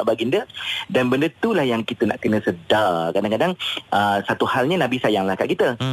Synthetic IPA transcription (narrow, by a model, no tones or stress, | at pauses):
ʔbaɡindədanbəndət̪ulahjaŋkit̪əna̰ʔkənə̃sədakadaŋkadaŋʔəsat̪uhalɲanãbisajaŋlahkaʔkit̪ə